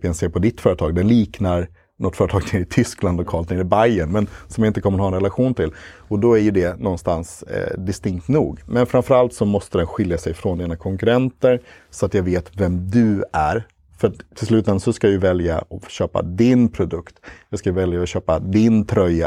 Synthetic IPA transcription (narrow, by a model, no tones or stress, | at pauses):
pjɛnseːɾpʰɔd̪ɪt̪ːfœːɾət̪ʰɑːɡ̚d̪ɛnliːknaɾ | nʔɔt̪ːfœɾət̪ʰɑːɡt̪ʰɪɾɪt̪ʰʏskland̪ɔkʰɑːlt̪neːɾɪbajənmɛnsɔmjaɪnt̪əkʰɔməɾhɑːɛnɾɛlaɧuːnt̪ʰɪl | ɔd̪ɔæɾjɵd̪ɛnɔnːst̪ansd̪ɪst̪ɪŋk̚t̪nuːɡmɛnfɾamfœɾalt̪sɔmɔst̪əd̪ɛnɧɪljasɛjfɾɔnd̪iːnakʰɔŋkɵɾɛnt̪əɾ | sɔat̪jɑːɡveːt̪vɛmd̪ɵæɾ | fœɾat̪t̪ʰːɪls̬lʉ̟ːt̪ɛnasɔskajajʉvɛlja̰ɔɕøːpa̰d̪ɪnpʰɾʊd̪ɵkt̪jɑːɡskajvɛljaɔɕøːpad̪ɪnt̪ʰɾœjːa